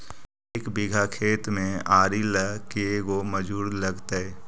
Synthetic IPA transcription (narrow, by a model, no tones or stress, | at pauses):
eːkbɪɡʱakʰeːt̪mẽaːɾiləkeɡoməd͡ʒuːɽləɡt̪aɦɛː